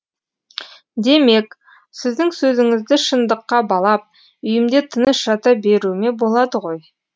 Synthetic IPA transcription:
d̪e̞me̞k | sɪzd̪ɪŋsɵzɪŋɪzd̪ɪʃənd̪əqːɑbɑlˠɑp̚ | ʏjɪmd̪e̞t̪ʰənəsʒ̥ɑt̪ɑbe̞ɾume̞bo̞lˠɑd̪əʁo̞j

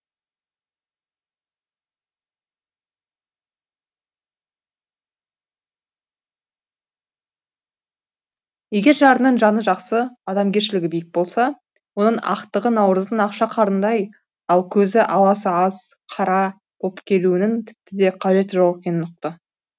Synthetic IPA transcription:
je̞ɡʲe̞ɾʒɑɾənəɴʒɑnəʒɑqsəɑd̪ɑmɡʲe̞ɾʃɪlɪɡʲɪbɪjɪk̚bo̞lˠsɑ | wo̞nəɴɑ̰qt̪əʁənɑwɾəzd̪ənɑqʃɑqʰɑɾənd̪ɑj | ɑlˠkʲʰɵzɪʔɑlˠɑsəɑz̥qʰɑɾɑ | bʰo̞pkʲʰe̞luɪnɪnt̪ʰɪ̥p̚t̪ɪd̪e̞qʰɑʒe̞t̪ʒɑwɑq̚pʲe̞nnʊq̚t̪ə

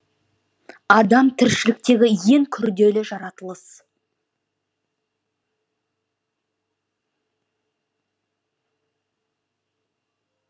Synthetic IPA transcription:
ɑd̪ɑmt̪ʰɪɾʃɪlɪk̚t̪e̞ɡʲɪje̞ŋkʲʰʏɾd̪e̞lɪʒɑɾɑt̪əlˠəs

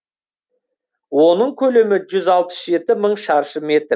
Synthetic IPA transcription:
wo̞nəɴkʲʰɵle̞mɪʒʏzɑlˠpə̥sʒe̞t̪ɪməɴʃɑɾʃəme̞t̪ɾ

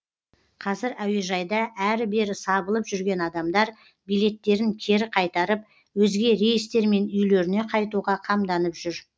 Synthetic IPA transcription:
qʰɑzɪɾæweʒɑjd̪ɑʔæɾɪbe̞ɾɪsɑbəlˠəpʒʏɾɡʲe̞nɑd̪ɑmd̪ɑɾ | bijle̞t̪ːe̞ɾɪŋkʲʰe̞ɾɪqʰɑjt̪ɑɾəp̚ | wɵzɡʲe̞ɾe̞jɪst̪e̞ɾme̞nʏjle̞ɾɪne̞qʰɑjt̪uʁɑqʰɑmd̪ɑnəpʒ̥ʏɾ

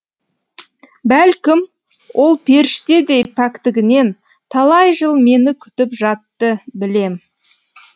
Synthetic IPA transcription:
bælkʲɪm | wʔo̞lˠpʰe̞ɾɪʃt̪e̞d̪e̞jpʰakt̪ɪɡʲɪne̞n | t̪ʰɑlˠɑjʒəlˠme̞nɪkʲʰʏ̥t̪ɪpʒɑt̪ːəbɪle̞m

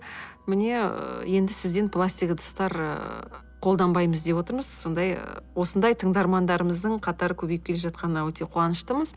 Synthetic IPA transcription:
mɪne̞̰je̞nd̪ɪsɪzd̪e̞npʰlˠasʲt̪ijkd̪ʰə̥st̪ɑɾə̰ | qʰo̞lˠd̪ɑnbɑjməzd̪e̞bwo̞t̪əɾməzso̞nd̪ɑjwo̞sənd̪ɑjt̪ʰəɴd̪ɑɾmɑnd̪ɑɾəməzd̪əɴqʰɑt̪ɑɾəkʲʰɵbejɪp̚kʲe̞le̞ʒɑt̪qɑnənɑwɵt̪e̞qʰuwɑnəʃt̪əməz

